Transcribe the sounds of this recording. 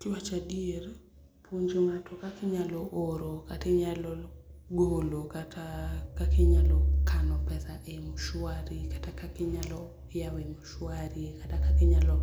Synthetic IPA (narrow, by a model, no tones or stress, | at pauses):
tɪwat͡ʃadier | pʰoɲd͡ʒoŋatʰɔkakɪɲalɔʔoɾokatɪɲalɔɡolokatʰakakʰɪɲalɔkʰanɔpɛsaʔemʊʃwaɾikatakakɪɲalɔ | jawemʊʃwaɾikatakakɪɲalɔ